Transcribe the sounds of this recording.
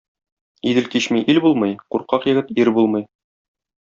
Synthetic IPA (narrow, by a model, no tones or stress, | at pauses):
id̪ɘ̆lkiɕmiʔilbulˠmɤjquɾqɑqjɘ̆ɡɘt̪iɾbulˠmɤj